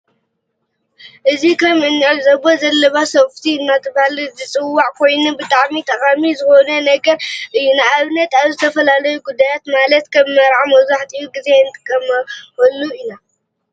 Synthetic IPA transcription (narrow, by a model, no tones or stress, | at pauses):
ʔɨzikʰɐmɨnːɨʕɨlzɐbozɐlːɐβasɐft̪ʰiɨnːat̪ʰɨβhalɨzɨt͡sʼɨwːaʕkʰo̞jnubɨt̪ʼaʕmit̪ʰɐχʼamizɨxo̞nɐnɐɡɐɾʔɨjːunaaβnɐt̪aβzɨt̪ʰɐfɐlalɐjuɡud̪ːajat̪malɐt̪kʰɐmːɐɾʕamɐwzaħt̪ʼijuɡizenɨt̪ʼɨkʼːɐmɐxolːuɨna